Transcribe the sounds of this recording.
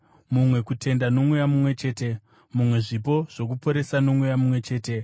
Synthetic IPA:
mumwe̞kutʰe̞ndano̞mujamumwe̞t͡ʃe̞ːte̞ | mumwe̞ʐip̬o̞ʐ̥o̞k̬upo̞ɾe̞sano̞mwujamumwe̞t͡ʃe̞ːte̞

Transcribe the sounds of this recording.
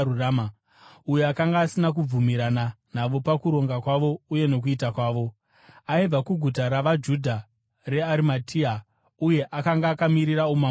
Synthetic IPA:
urama | ujeakaŋɡaːsinak̬ub͡vumiɾana | n̤aʋo̞pakuɾo̞ŋɡakwaʋo̞uje̞no̞k̬uitakwaːʋo̞ | aib͡vakuɡʱutaɾaʋad͡ʒudʱa | re̞aɾimatʰia | uje̞ʔakaŋɡaːkamiɾiraoma

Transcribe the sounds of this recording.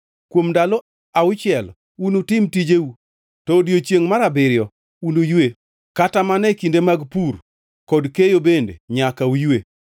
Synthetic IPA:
kwomdalɔ | aʊt͡ʃɪɛl | unotɪmtid͡ʒeu | tɔdjot͡ʃjeŋmaɾabɪɾɪjɔ | unojwe | katamanɛkindemaɡpur | kɔdkejobendḛɲakaujwe

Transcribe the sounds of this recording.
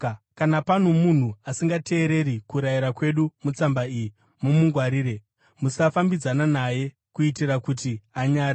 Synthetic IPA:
kanapan̤omun̤uasiŋɡate̞ːɾe̞ɾikuɾajiɾakwe̞ɗumut͡sambaiji | mumuŋɡwaɾiːɾe̞ | musafambid͡zananaje̞ | kuitirakutiaɲaːɾi

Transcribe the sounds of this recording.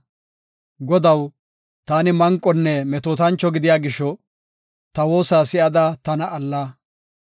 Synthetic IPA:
ɡɔd̪ɐw | t̪aːnɪmɐŋkʼːɔnːɛmɛt̪oːt̪ɐnt͡ʃːɔɡɪd̪ɪjaːɡɪʃːɔ | t̪ɐwo̞ːsaːsɪʔɐd̪at̪ɐnɐʔɐlːaː

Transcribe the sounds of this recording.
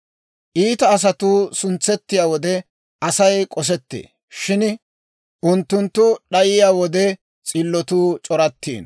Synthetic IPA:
ʔiːt̪ɐːs̬ɐt̪uːsʊnt͡sːɛt̪ːɪjaːwɔd̪ɛ | ʔɐsɐjkʼɔs̬ɛt̪ːḛː | ʃɪn | ʔʊnt̪ːʊnt̪ːʊɗɐjɪjaːwɔd̪ɛ | t͡sʼɪlːɔt̪uːt͡ʃʼɔɾɐt̪ːḭːn

